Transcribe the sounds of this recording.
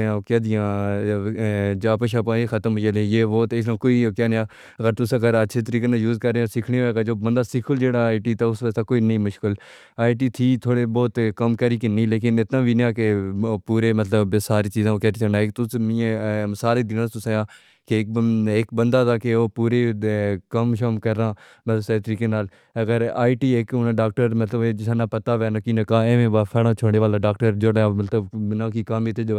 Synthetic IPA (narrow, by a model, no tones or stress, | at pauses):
ãkaːd̪ɪjãː | d͡ʒaːpəʃaːpãːeːxʰət̪əmɦʊd͡ʒelẽːjeːʋoːt̪eɪsnãːkoːiːokjaːnjãː | ɣəɾt̪ʊsãːɡɾətːʃʰeːt̪əɾiːkeːnãːjuːzkəɾːeːsɪkʰɳeeːkaːd͡ʒoːbənd̪aːsɪkʰʊld͡ʒeːɽaːɪʈiːt̪aʊsʋəzt̪aːkoːinĩːmʊʃkɪl | aːɪʈ̬iːt̪ʰiːt̪ʰoːɽeːbɔːt̪kəmkəɾiːkɪnːiːleːkɪnɪt̪nãːbʱinjãːkepuːɾeːmət̪ləbsaːɾiːt͡ʃiːzãːoːkɛːɾiːt͡ʃʰənaːekt̪ʊsmĩẽsaːɾeːd̪ɪnãːt̪ʊseːjãː | kek̚ɪkbənd̪aːt̪aːkeoːpuːɾeːkəmʃəmkəɾːãː | mət̪əbset̪əɾiːkeːnaːl | əɡəɾaːiʈiːekʊnãɖaːk̚ʈəɾmət̪ləbeːd͡ʒɪsãːnaːpət̪aːʋɛːnakiːnakãːeːʋẽːbaːpʰɛːɽãːt͡ʃʰoːɽeːʋaːlãːɖaːk̚ʈəɾd͡ʒoɽãːmət̪ləbnãːkiːkamit̪ʰeːd͡ʒ